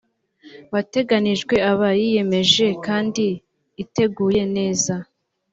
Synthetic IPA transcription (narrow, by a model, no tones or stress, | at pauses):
βate̞ɡaniʒɡwe̞aβajije̞me̞ʒe̞kaːndiː | te̞ɡuːje̞ne̞ːza